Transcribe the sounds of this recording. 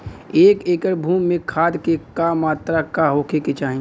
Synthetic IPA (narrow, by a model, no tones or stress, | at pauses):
eːkeːkəɾbʱuːmːẽkʰaːd̪kekamːaːt̪ɾakaɦoːkʰeket͡ʃaːɦĩ